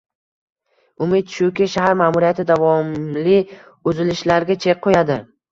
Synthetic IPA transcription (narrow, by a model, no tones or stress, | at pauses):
ʊmɪd̪ʃʊkʲɪʃaɦaɾmamuɾijat̪ʰɪd̪avɒmlɪ | ɵzɪlɪʃlaɾɡʲat͡ʃʰek̚qʰojad̪ɪ